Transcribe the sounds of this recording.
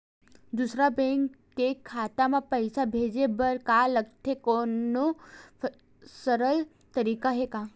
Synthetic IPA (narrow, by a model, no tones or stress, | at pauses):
d̪usɾabɛ̃ːŋkːekʰːaːt̪amãpɐɪsabʱeːd͡ʒebəɾkaləɡ̚t̪ʰekoːnːo | səɾəl | t̪əɾiːkaɦekaː